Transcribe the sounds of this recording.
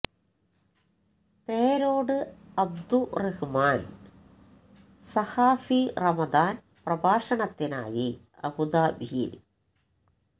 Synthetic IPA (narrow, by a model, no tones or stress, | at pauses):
peːɾoːɽɨɐb̚d̪urehɨmaːn | sɐhaːfirɐmɐd̪aːn | prɐbaːʂɐɳɐt̪ːina̰ːji | ɐ̰bud̪aːbʱḭl